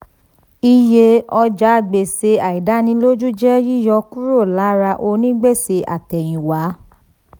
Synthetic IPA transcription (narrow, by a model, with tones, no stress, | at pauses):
i˧je˧ɔ˧d͡ʒa˦˨ɡ͡be˨se˧a˨i˨da˨˦nĩ˧˦lo˦d͡ʒu˦d͡ʒɛ˦ji˦˨jɔ˧ku˦ɾo˦˨la˨˦ɾa˧ʔo˧nĩ˦ɡ͡be˦˨se˧ʔa̰˨tɛ˨j̃ĩ˨wa˨˦